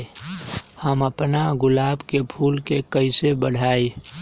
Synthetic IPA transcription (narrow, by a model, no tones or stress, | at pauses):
həməpnaɡʊlaːbkepʰuːlkekəɪsebəɽʱaːe